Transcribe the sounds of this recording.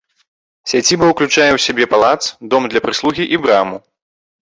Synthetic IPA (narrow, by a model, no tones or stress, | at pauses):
sʲad͡zʲibɐwklʲut͡ʂajɛwsʲabʲɛpalˠat̪sd̪ɔmd̪lʲɐpɾɨslˠuɣʲiʔibɾamu